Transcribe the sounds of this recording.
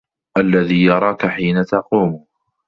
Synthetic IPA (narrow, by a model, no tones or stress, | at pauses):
ʔalːaðiːjɑɾˤɑːkaħiːnat̪ɑquːm